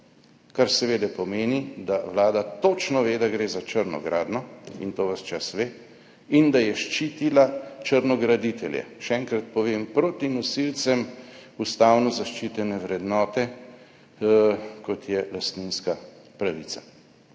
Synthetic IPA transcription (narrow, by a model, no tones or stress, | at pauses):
kaɾsɛʋeːd̪ɛpɔmeːnid̪aʋlaːd̪at̪ot͡ʃnɔʋeːd̪aɡɾeːzat͡ʃəɾnɔ̰ɡɾaːd̪nɔḭnt̪oːʋast͡ʃasʋeː | ind̪ajɛʃt͡ʃit̪ilat͡ʃəɾnɔɡɾad̪it̪ɛljɛ̰ʃɛɛŋkɾat̪̚pɔʋeːmpɾot̪inɔsilsɛmust̪aːwnɔzaʃt͡ʃit̪ɛnɛʋɾɛd̪nɔːt̪ɛ | kɔt̪jɛlast̪ninskapɾaʋit̪sa